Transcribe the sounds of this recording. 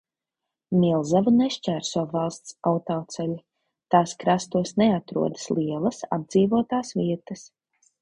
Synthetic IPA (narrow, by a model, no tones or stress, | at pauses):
milˠzavuneʃt͡ʃʲæːɾsuɔvalˠst̪sawt̪ɔːt̪sɛlʲi | t̪aːskɾast̪uɔsneat̪ɾṵɔd̪ə̥slˠiɛlˠɐsa̰b̚d̪z̥iːvuɔt̪aːsʋiɛt̪ɐs